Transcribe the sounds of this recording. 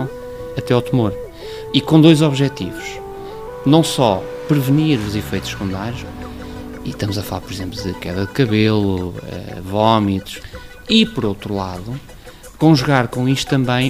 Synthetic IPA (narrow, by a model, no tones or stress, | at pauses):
ɐt̪ɛɔt̪ɨmoɾ | ikõd̪ojzɔβʒɛt̪ivuʃ | nɐ̃w̃sɔ | pɾɨvɨniɾuzifejt̪u̥ʃkũnd̪aɾu | iʃt̪ɐmuzɐfɐlˠaɾpɔɾizẽmplˠuðɨkɛ̰ðɐðɨkɐβelˠuɛ̰vɔmit̪u̥ʃ | ipɔɾowt̪ɾulˠaðu | kõʒuɣaɾkõiʃt̪t̪ɐ̃mbɐ̃j̃